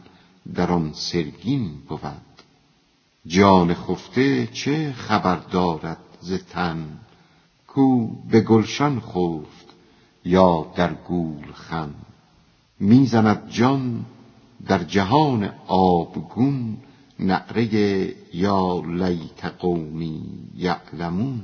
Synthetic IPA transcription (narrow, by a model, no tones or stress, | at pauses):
d̪æɾɒnseɾɡinbovæd̪̥ | d͡ʒɒːneχoft̪ʰet͡ʃʰeχæbæɾd̪ɒːɾæd̪̥̚zet̪ʰæn | kʰuːbe̞ɡolʃænχoːft̪ | jɒːd̪æɾɡuːlxæn | miːzænæd̪̚d͡ʒɒn | d̪æɾd͡ʒæɦɒːnḛɒːbɡunː | æ̰ʔɾejejɒːlæjt̪ʰeɡowmiːjæ̰ʔlæmun